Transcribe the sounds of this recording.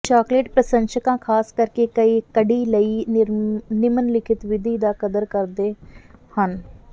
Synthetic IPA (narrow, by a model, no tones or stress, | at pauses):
t͡ʃaːkleːʈpɾəsə̃nʃəkãːkʰaːskəɾkeːkəiːkəɖiːləiː | nɪmənlɪkʰɪt̪ʋɪd̪iːd̪aːkəd̪əɾkəɾd̪eːhən